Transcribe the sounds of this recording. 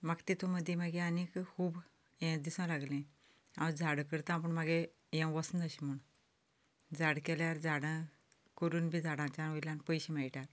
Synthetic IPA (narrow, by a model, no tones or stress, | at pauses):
maɡt̪it̪ʰuməd̪ʱːjemaɡẽanikkʰuːb | ɛ̃d̪isɔ̃laɡlẽ | ãd͡zʱaɽkəɾt̪ãp̬əɳmaɡe | jɛ̃wʋəsnəɕim̤uɳ | d͡zaɽkɛljaɾd͡zaɽə̃ | kəɾuːnbʱid͡zʱaɽãt͡ɕanojlanpəjɕẽmɛɭʈaɾ